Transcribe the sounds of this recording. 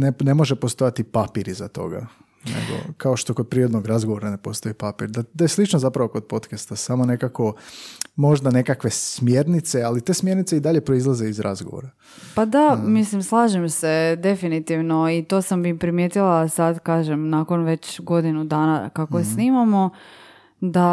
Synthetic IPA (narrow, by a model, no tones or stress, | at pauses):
nene̞moʒepost̪o̞jat̪ipapiɾizat̪o̞̰ɡa̰ | nḛɡo̞̰kʰaoʃt̪o̞kod̪̚pɾiɾod̪noɡɾazɡoʋo̞ɾanepo̞st̪o̞ipapiɾd̪ad̪ajeslˠit͡ʃnozapɾaʋo̞ko̞d̪̚po̞t̪kest̪asamone̞kako̞mo̞ʒd̪ane̞kakʋe̞ssmje̞ɾnit̪sealit̪e̞ːsmje̞ɾnit̪seid̪aʎe̞pɾo̞izlˠaze̞izɾʔazɡoʋo̰ɾa | pad̪amislimslˠaːʒemsed̪e̞finit̪iʋnoit̪o̞ːsammipɾimjet̪ilˠasad̪kaːʒemnaːkonʋe̞t͡ɕɡo̞d̪inud̪aːnakakosniːmamo̞ | d̪a